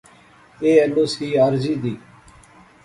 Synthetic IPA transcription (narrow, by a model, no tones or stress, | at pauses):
eːɛloːshiːaːɾziːd̪iː